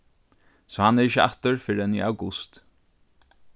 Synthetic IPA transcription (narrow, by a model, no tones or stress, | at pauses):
sɔhanɛɹɪçəa̰ht̪əɹfɪɾɪɛnḭːawɡʊst̪